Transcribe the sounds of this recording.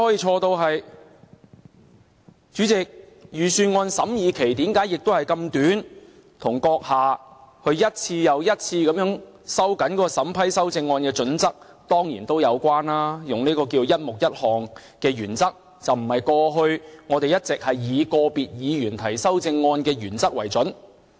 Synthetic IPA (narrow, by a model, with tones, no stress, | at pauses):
hɔː˨˥ji˧t͡ʃʰɔː˧t̪o˧wɦɐ˨j | t͡ʃyː˨˥t͡sɪ˨k̚ | jyː˨˩syː˧nŋɔː˧nsɐ˨˥mjiː˨˧kʰe˨˩jt̪iː˨˥mkaː˨˥jɪ˨k̚t̪whɐ˨˩jkɐ˧mt̪yː˨˥n | t̪ʰʊ˨˩ŋkɔː˧k̚haː˨˩hɵ˧ɥjɐ˥t̚t͡sʰiː˧jɐ˨˧wjɐ˥t̚t͡sʰiː˧kɐ˨˥mjœː˨˥ŋ | sɐ˥wkɐ˨˥nkɔː˨˦˥kɔ˧sɐ˨˥mpʰɐ˥jsɐ˥wt͡sɪ˧ŋːɔː˧nkɛː˧t͡ʃɵ˨˥nt͡sɐ˥k̚ | t̪ɔː˥ŋjiː˨˩nt̪o˥wjɐ˨˧wkʷaː˥nlaː˥jʊ˨ŋniː˥kɔː˧kiː˧wjɐ˥t̚mʊ˨k̚jɐ˥t̚hɔː˨ŋ | kɛː˧jyː˨˩nt͡sɐ˥k̚ | t͡sɐ˨wm̩˨˩hɐ˨jkɔː˧ɦɵ˧ɥŋɔː˨˧t̪e˨jɐ˥t̚t͡sɪ˨k̚hɐ˨jːiː˨˧kɔː˧piː˨t̚jiː˨˧jyː˨˩nt̪ʰɐ˨˩jsɐ˥wt͡sɪ˧ŋːɔː˧nkɛː˧jyː˨˩nt͡sɐ˥k̚wɐ˨˩jt͡sɵ˨˥n